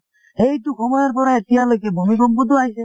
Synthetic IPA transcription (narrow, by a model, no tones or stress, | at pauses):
ɦejt̪ukʰɔmajaɾpɔɾaet̪ialojkebʱomiʃɔmbod̪ʱːoajse